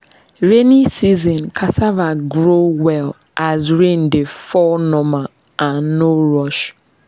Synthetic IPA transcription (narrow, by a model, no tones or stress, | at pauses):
ɹenisizɔ̃nkʰasavaɡɾowɛl | ʔazɹẽndefɔnɔma | ʔãnːoɾɔʃ